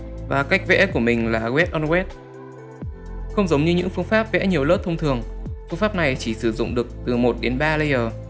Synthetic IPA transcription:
vaː˨˩ka˦˥jk̟̚vɛ̰˧˥ku˧˩əmï˨˩ŋ̟laː˨˩ɣwɛ˦˥t̚ʔɔ˧nɣwɛ˦˥t̚ | xə˧wŋ͡mzə˨˦wŋ͡mɲɨ˧ɲɨ̰˧˥ŋfɨ˧əŋfaː˦˥p̚vɛ̰˧˥ɲi˨˩əwlə˦˥t̚t̪ʰə˧wŋ͡mt̪ʰɨ˨˩əŋfɨ˧əŋfaː˦˥p̚na˨˩jt͡ɕi˧˩sɨ˧˩zʊ̰˧˨ŋ͡mɗɨ˨˩ək̚t̪ɨ˨˩mo˨˩t̚ɗe˨˦nɓaː˧lə˧jəː˨˩

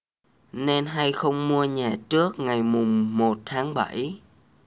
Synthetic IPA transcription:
ne˧nɦa˧jxə˧wŋ͡mmu˧əɲaː˨˩t͡ɕɨ˦˥ək̚ŋa˨˩jmʊ˨˩ŋ͡mːo˨˩t̚t̪ʰaː˨˦ŋɓa̰˧˩j

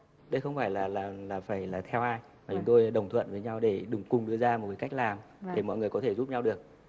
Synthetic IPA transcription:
ɗə˧jxə˧wŋ͡mfaː˧˩jlaː˨˩laː˨˩laː˨˩faː˧˩jlaː˨˩t̪ʰɛ˧wʔaː˧j | maː˨˩t͡ɕʊ˨˦ŋ͡mt̪o˧jɗə˨˩wŋ͡mt̪ʰwə̰˧˨nvəː˨˦jɲa˧wɗe˧˩ɗɨ˨˩ŋkʊ˨˩ŋ͡mɗɨ˧əzaː˧mo˨˩t̚kaː˨˦ka˦˥k̚laː˨˩m | ɗe˧˩mɔ̰˧˨jŋɨ˨˩əjkɔ˨˦t̪ʰe˧˩zu˦˥p̚ɲa˧wɗɨ˨˩ək̚

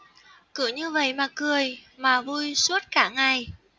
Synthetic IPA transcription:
kɨ˧˩əɲɨ˧və̰˧˨jmaː˨˩kɨ˨˩əjmaː˨˩vu˧jsu˦˥ət̚kaː˧˩ŋa˨˩j

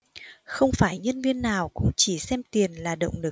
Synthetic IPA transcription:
xə˧wŋ͡mfaː˧˩jɲə˧nvi˧ənːaː˨˩wkʊ̰˧˥ŋ͡mt͡ɕi˧˩sɛ˧mt̪i˨˩ənlaː˨˩ɗə̰˧˨wŋ͡mlɨ˨˩k̚

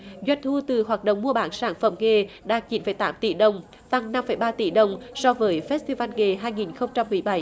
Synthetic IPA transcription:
zwa˧jn̟t̪ʰu˧t̪ɨ˨˩ɦwaː˨˩t̚ɗə̰˧˨wŋ͡mmu˧əɓaː˨˦nsaː˧˩nfə̰˧˩mŋe˨˩ɗa̰ː˧˥t͡ɕi˨˦nfə˨˧˩jt̪aː˨˦mt̪ḭ˧˩ɗə˨˩wŋ͡m | t̪a˧ŋna˧mfəː˧˩jɓaː˧t̪ḭ˧˩ɗə˨˩wŋ͡msɔ˧vəː˨˦jfɛ˦˥t̚t̪i˧va˧nŋe˨˩ɦaː˧jŋi˨˩nxə˧wŋ͡mt͡ɕa˧mːɨ˨˩əjɓa˧˦j

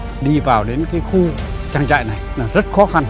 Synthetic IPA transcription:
ɗi˧vaː˨˩wɗe˨˦nkaː˨˦jxu˧ | t͡ɕaː˧ŋt͡ɕa̰ː˧˨jna˨˩jlaː˨˩zə˦˥t̚xɔ˨˦xa˧n

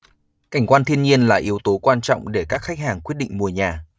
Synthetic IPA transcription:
ka˧˩jŋ̟kwaː˧nt̪ʰi˧ənɲi˧ənlaː˨˩ʔi˨˦əwt̪o˨˦kwaː˧nt͡ɕɔ̰˧˨wŋ͡mɗe˧˩kaː˦˥k̚xa˦˥k̟̚haː˨˩ŋkwət̚ɗḭ˧˨ŋ̟mu˨˩əjɲaː˨˩

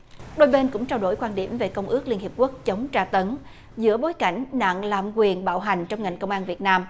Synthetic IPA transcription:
ɗo˧jɓe˧nkʊ̰˧˥ŋ͡mt͡ɕaː˧wɗo̰˧˩jkwaː˧nɗi˧˩əmve˨˩kə˧wŋ͡mʔɨ˦˥ək̚li˧ənhi˨˩əp̚ku˦˥k̚t͡ɕə˨˦wŋ͡mt͡ɕaː˧t̪ə˨˦n | zɨ̰˧˥əɓo˨˦jka˧˩jŋ̟na̰ː˧˨ŋlaː˧˨˩mkwi˨˩ənɓa̰ː˧˨wɦa˨˩ŋ̟t͡ɕɔ˧wŋ͡mŋa˨˩jŋkə˧wŋ͡mʔaː˧nvi˨˩ət̚naː˧m

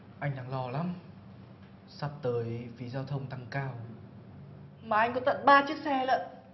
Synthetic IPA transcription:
ʔa˧jŋ̟ɗa̰˧˩ŋlɔ˧la˧˥m | sa˧˩p̚t̪əː˨˦jfi˨˦zaː˧wt̪ʰə˧wŋ͡mt̪a˧ŋkaː˧w | maː˨˩ʔa˧jŋ̟kɔ˨˦t̪ə̰˧˨nɓaː˧t͡ɕɨ˦˥ək̚sɛ˧lə̰˧˨n

